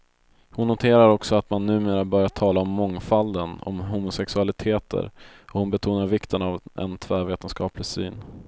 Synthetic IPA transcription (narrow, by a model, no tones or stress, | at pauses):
hʊnːʊt̪ʰeːɾaɾɔksɔat̪manːʉ̟ːmeːɾabœɾjaʈʰɑːlaɔmːɔŋfald̪ənɔ̰mɦuːmʊsɛksɵalɪt̪ʰeːt̪ʰə̰ɾɔhʊnbɛt̪ʰuːnaɾvɪkt̪ʰənavɛ̰nt̪ʰvɛːveːt̪ənskɑːplɪsy̰ːn